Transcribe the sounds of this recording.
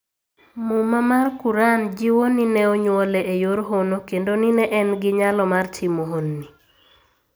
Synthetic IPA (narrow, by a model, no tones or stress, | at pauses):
mumamarkuɾand͡ʒɪwoninɛoɲwɔlɛʔejoɾɦonokendoninɛʔɛnɡɪɲalɔmartʰɪmoɦonːi